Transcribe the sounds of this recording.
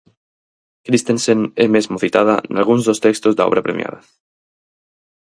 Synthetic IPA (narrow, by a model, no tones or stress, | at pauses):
kɾist̪ensenemezmoθit̪að̞a̰nalɣ̞unzðost̪ekst̪ozd̪aoβ̞ɾapɾemja̰ða